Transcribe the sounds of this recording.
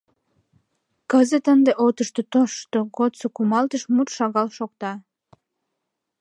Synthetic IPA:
kəzət̪ənd̪eʔot̪əʃt̪ot̪oʃt̪oɡot̪sokumɑlt̪əʃmut̪ʃɑɣɑlʃok̚t̪ɑ

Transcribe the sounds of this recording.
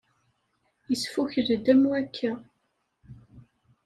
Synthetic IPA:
jəsfuçəɾd̪æmwækʰːæ

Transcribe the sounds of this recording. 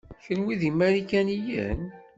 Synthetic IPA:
θəlwiðimæɾikænijə̰n

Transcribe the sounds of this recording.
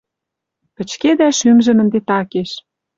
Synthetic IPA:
kə̆t͡ɕked̪æʃymʒɘ̆mə̆nd̪et̪ɑkeʃ

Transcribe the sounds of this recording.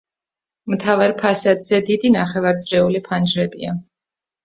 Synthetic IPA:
mt̪ʰavaɾpʰasad̪z̥ɛd̪id̪inaχɛvaɾt̪sʼɾɛulipʰand͡ʒɾɛbia

